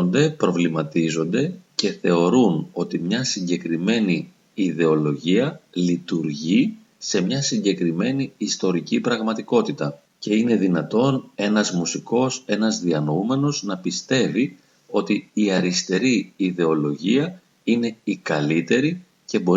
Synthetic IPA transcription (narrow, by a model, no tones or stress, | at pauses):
nd̪e̞pɾo̞vlimɐt̪izo̞nd̪e̞ce̞θe̞o̞ɾuno̞t̪imɲɐsiɲɟe̞kɾime̞niː | ðe̞o̞lo̞ʝiɐlit̪uɾʝi | se̞mɲɐsiɲɟe̞kɾime̞niist̪o̞ɾicipɾɐɣmɐt̪iko̞t̪it̪ɐ | ce̞ine̞ðinɐt̪o̞ne̞nɐzmusiko̞se̞nɐzðiɐnoume̞no̞znɐpist̪e̞vi | o̞t̪iiɐɾist̪e̞ɾiiðe̞o̞lo̞ʝiɐ | ine̞ikɐlit̪e̞ɾi | ce̞bo̞